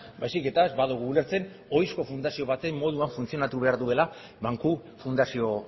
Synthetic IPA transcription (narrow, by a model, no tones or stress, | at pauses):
bajsike̞t̪azbaðuɣ̞uːle̞ɾt͡se̞n | o̞jsko̞fund̪asio̞βat̪e̞mːo̞ð̞uaɱfunt͡sio̞nat̪uβe̞aɾðue̞la | βaŋkufund̪asio̞